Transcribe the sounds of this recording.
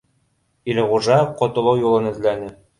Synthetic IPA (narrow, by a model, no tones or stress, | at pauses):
ilɘʁuʒɑqŏt̪ŏlˠɤwjulˠɤnɘ̆zlænɘ